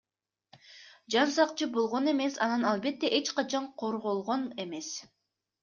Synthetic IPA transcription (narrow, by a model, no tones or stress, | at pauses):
d͡ʒɑnsɑqt͡ʃɯbo̞lˠʁo̞ne̞me̞sɑnɑnɑlˠbe̞t̪ːe̞ʔe̞t͡ʃqɑt͡ʃɑɴqʰo̞ɾʁo̞lˠʁo̞ne̞me̞s